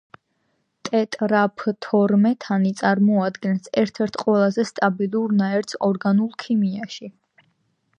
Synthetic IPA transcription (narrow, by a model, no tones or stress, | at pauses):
t̪ʼɛt̪ʼɾapʰt̪ʰɔɾmɛt̪ʰanit̪sʼaɾmɔad̪ɡɛnsɛɾt̪ʰɛɾt̪ʰqʼwɛlˠazɛst̪ʼabilˠuɾnaɛɾt̪sʰɔɾɡanulˠkʰimiaʃi